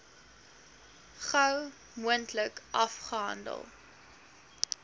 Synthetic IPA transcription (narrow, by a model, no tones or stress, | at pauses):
χɐw | muəntləkʔɐfχəɦɐ̰ndə̰lˠ